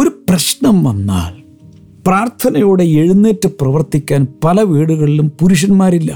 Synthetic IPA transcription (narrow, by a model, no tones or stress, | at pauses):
o̞ɾuprɐɕɳɐmʋɐnːa̰ːl | praːrt̪ʰɐnɐjoːɽe̞eɻunːeːtːɨprɐʋɐrt̪ikʲːaːnpɐlɐʋiːɽuɣɐɭilumpuɾuɕ̬ɐnmaːɾilːɐ̰